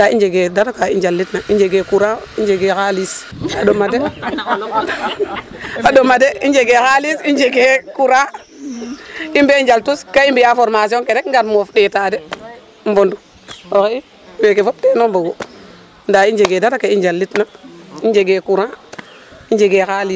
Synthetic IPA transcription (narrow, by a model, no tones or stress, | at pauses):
ndaind͡ʒeɡedatakaḭnd͡ʒalːitnaind͡ʒeɡekuɾãind͡ʒeɡekalisadomade | adomadeid͡ʒeɡekalisind͡ʒeɡekuɾã | imbeind͡ʒaltuskaimbijafoɾmasioŋkeɾekŋɡatmofɗetaːde | m̩bondu | okei | wekefop̚ɗeːnomboɡo | ndaind͡ʒeɡedatakaind͡ʒalːitnaind͡ʒeɡekuɾã | ind͡ʒeɡekali